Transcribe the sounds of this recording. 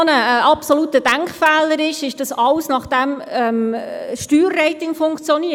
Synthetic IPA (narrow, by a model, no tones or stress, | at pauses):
nəʔɑpsɔlut̪əd̥æŋkχfæːləɾɪʃɪʃd̥ɑsɑlsnɑχd̥ɛmɛmʃtyːrːɛɪtɪŋfʊŋkt͡sjɔniə